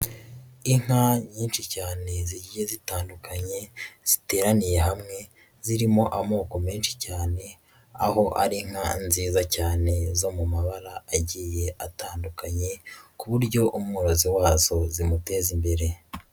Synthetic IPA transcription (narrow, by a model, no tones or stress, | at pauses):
iŋ̥aɲiːnʃicaːne̞ziɟiezitaːndukaɲe̞z̥ite̞ːɾanije̞ɦamŋe̞ | ziɾimo̞ʔamo̞ːko̞meːnʃi̥caːne̞ | a̰ɦo̞ʔa̰ɾiŋ̥hanziːzacaːne̞zo̞mumaβaɾaːɟiːje̞ʔataːndukaɲe̞kuβuɾɟo̞ʔumŋuɾoziwaːzo̞zimute̞ːzimbe̞ɾe̞